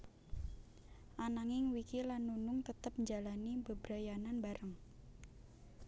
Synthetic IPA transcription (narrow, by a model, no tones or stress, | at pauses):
ʔanaŋɪŋwikilanːunʊŋt̪ət̪əp̚ɲd͡ʒalanibəbɾajananbaɾəŋ